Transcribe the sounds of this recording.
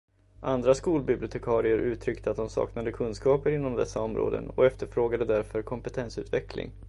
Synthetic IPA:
ʔand̪ɾaskuːlbɪblɪʊt̪ʰɛkʰɑːɾɪəɾʔʉ̟ːt̪ʰɾʏkt̪əat̪̚d̪ɔmsɑ̰ːknad̪əkʰɵnskɑːpəɾɪnːɔmd̪ɛ̰sːaɔmɾo̰ːd̪ə̰nɔ̰ɛft̪əɾfɾoːɡad̪əd̪æɾfœɾkʰɔmpət̪ʰɛnsʉ̟ːt̪vɛklɪ̰ŋ

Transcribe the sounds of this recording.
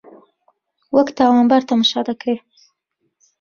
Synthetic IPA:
wəkt̪ɑwɑmbaɾt̪amʃɑd̪akɽe

